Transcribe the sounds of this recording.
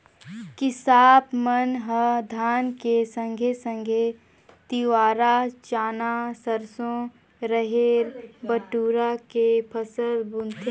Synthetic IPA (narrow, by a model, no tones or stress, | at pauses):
kɪsaːpmənɦəd̪ʱaːnkesə̃ŋɡʱesə̃ŋɡʱe | t̪iwaːɾat͡ʃaːnasəɾsõ | ɾəɦeːɾbəʈuːɾakepʰəsəlbʊnt̪ʰ